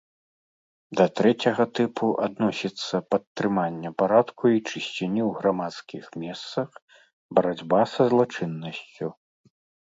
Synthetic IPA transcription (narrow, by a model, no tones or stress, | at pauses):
d̪ɐt̪ɾɛt͡sʲɐɣɐt̪ɨpuʔad̪nɔsʲit̪sːɐpɐt̪ːɾɨmanʲːɐpaɾat̪kʰuit͡ʂɨɕʲt͡sʲinʲiwɣɾamat̪skʲixmʲɛst̪sɐx | bɐɾad͡zʲbasɐzlˠat͡ʂɨnːɐsʲt͡sʲu